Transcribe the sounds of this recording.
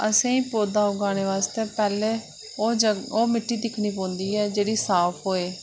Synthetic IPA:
əsẽːĩːpoːd̪aːʊɡaːñeːʋaːst̪eːpɛːleː | oːd͡ʒoːmɪʈːiːd̪ɪkʰniːpɔ̃ːnd̪iːɛːd͡ʒeːɽiːsaːpʰɦoːeː

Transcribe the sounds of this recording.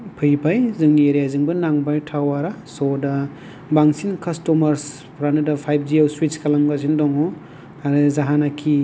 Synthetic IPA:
pʰɯjbajzɯŋnieɾijaziŋbɯnaŋbajtʰawaɾasɔdɐ | baŋsinkʰɐstɔmɐɾs | pʰɾanɯdapʰajb̚ʰd͡ʒiawswit͡ʃkalaŋbazindɔŋɔ | aɾɯzaɦanakʰi

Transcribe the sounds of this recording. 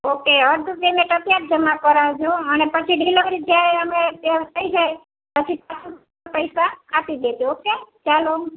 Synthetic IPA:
okeəɾd̪ʱukemeʈət̪jat̪̚d͡ʒəmakɔɾad͡ʒoənepət͡ʃʰiɖʱilokɾid͡ʒaeəmet̪əid͡ʒaj | pət͡ʃʰipat͡ʃʰu | pəjsaapid̪ed̪õoket͡ʃalo

